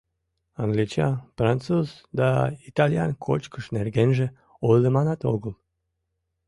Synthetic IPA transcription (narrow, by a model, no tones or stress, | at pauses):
aŋɡlit͡ɕa̰fɾant̪t͡suzd̪ait̪alja̰nkʰo̰t͡ʃkəʃnerɡenʒe | olemanat̪oɡəl